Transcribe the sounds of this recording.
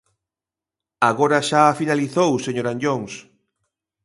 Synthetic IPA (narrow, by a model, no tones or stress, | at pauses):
aɣoɾɐʃaːfinaliθowseɲoɾaɲʎoŋs